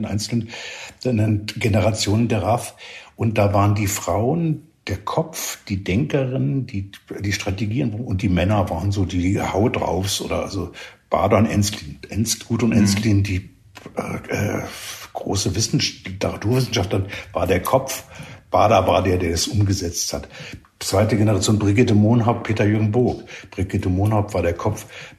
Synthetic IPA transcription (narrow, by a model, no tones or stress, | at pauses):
nʔa̰ɪnt͡sl̩ənnɛnɡenəʁat͡sjoːnəndeːɐʁafʔʊnt̚d̥aːvaːʁəndiːfʁ̥aʊən | d̥eːɐkʰɔpp͡fd̥iːdɛŋkəʁɪnəndiːd̥iːʃtʁ̥ateɡiːənvanʊnt̚d̥iːmɛnɐvaːʁənzoːdiːhaʊtdʁa̰ʊfsʔo̰ːɾɐʔa̰lzob̥a̰ːdanʔɛnslinʔɛnsɡ̥uːtʊnʔɛnslindiː | ʔɛ̰ːʔɛ̰ːɡ̥ʁo̰ːsəvɪsn̩d̥itʰaʁatʰuːɐvɪsn̩ʃaftɐʁɪnvaːɐdeːɐkʰɔpfb̥aːɐdavaɐdeːɐdeːɐdɛsʔʊmɡəzɛt͡sthat | t͡sv̥aɪtəɡɛnəʁat͡sjoːnbʁɪɡɪtəmoːnɦaʊppʰeːtɐjøːɡŋ̩bʊɐkb̥ʁɪɡɪtəmoːnhaʊpv̥aːɐɾeːɐkʰɔpp͡f